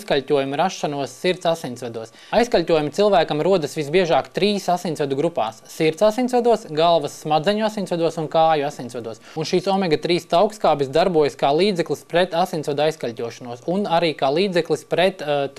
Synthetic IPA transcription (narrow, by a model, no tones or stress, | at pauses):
skalʲtʲuɔjumɾaʃːanuɔsːiɾt̪sasint̪sʋad̪uɔs | ajskalʲt̪ʲuɔjumit̪silˠʋæːkɐmɾuɔd̪ɐsʋisbiɛʒaːkt̪ɾiːsasinʲtsvɛd̪uɡɾupa̰ːsːiɾt̪sasinʲsʋad̪uɔsɡalˠʋɐsːmad̪zɛɲuasinʲsvʋad̪uɔsunkaːjuasinʲtsʋad̪uɔsunʃiːsɔmɛɡɐt̪ɾiːst̪awkskaːbisd̪aɾbuɔjɐskaːlˠiːd̪zɛklˠispɾɛt̪asinʲsʋad̪ajskalʲtʲuɔʃanuɔsunaɾiːkaːlˠiːd̪zɛklˠispɾɛt̪